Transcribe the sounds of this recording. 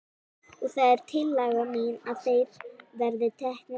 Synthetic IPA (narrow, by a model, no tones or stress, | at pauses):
uθaɛɾ̥t̪ʰɪlːaɣamiːnawθejððɛɾðɪt̪ʰɛhknɪ